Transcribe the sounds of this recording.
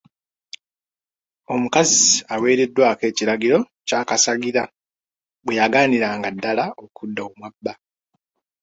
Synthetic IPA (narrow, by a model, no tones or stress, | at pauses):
o̞mukaziawe̞ːɾe̞dːwaːke̞ːciɾaɡiɾo̞ | caːkasaɡiɾa | bwe̞jaɡaːniɾaːŋɡadːalaokʰudːaomwabːa